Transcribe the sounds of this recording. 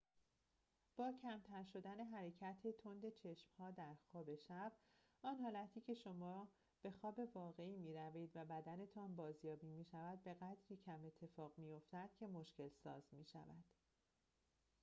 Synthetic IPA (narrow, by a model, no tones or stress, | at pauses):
b̥ɒːcʰæmt̪ʰæɾʃo̞d̪æne̞ɦæɾe̞cʰæt̪ʰe̞t̪ʰo̞nd̪e̞t͡ʃʰe̞ʃmhɒːd̪æɾxɒːbe̞ʃæb̥̚ | ɒːnhɒːlæt̪ʰiːcʰe̞ʃo̞mɒː | b̥e̞xɒːbe̞vɒːɣe̞iːmiːɾæviːd̪væbæd̪æne̞t̪ʰɒːnbɒːzjɒːbiːmiːʃævæd̪̚be̞ɣæd̪ɾiːcʰæme̞t̪ʰːe̞fɒːɣmijo̞ft̪æd̪̥̚cʰe̞mo̞ʃce̞lsɒ̰ːzmiːʃæ̰væd̪̥